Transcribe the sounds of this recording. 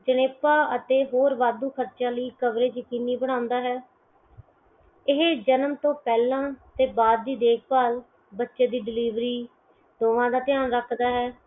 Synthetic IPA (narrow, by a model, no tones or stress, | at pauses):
d͡ʒəneːpaːət̪eːɦoːɾʋaːd̪uːkʰəɾt͡ʃãːləiːkəʋɾeːt͡ʃəkɪnːiːbəɽ̃ãːʊ̃nd̪aːɦɛː | ɪɦed͡ʒənmt̪õːpɛːlãːt̪eːbaːd̪̚ːiːd̪eːk̚ʰpaːl | bətːʃeːd̪iːɖɪliːʋɾiː | d̪oːʋãːd̪aːt̪ɪjaːnɾəkʰd̪aːɦɛː